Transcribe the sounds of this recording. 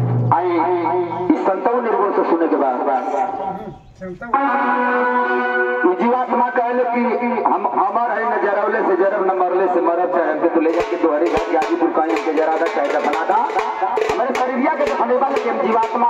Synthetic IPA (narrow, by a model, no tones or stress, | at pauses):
aĩ | isənt̪əʋniɾbəsesunekebad̪ad̪ | id͡ʒiʋat̪makəɦelekiiɦəmɦəmaɾəɦenəd͡ʒəɾəʋlesed͡ʒəɾəbnəməɾleseməɾət͡ʃaɾənket̪oled͡ʒaked̪oɦəɾed͡ʒat̪d͡ʒad͡ʒ̪id̪uɾkãɦĩɦəmked͡ʒəɾad̪at͡ʃaɦid͡ʒabənad̪a | ɦəmɾesəɾiɾijakesʰunebalkiɦəmd͡ʒiʋat̪ma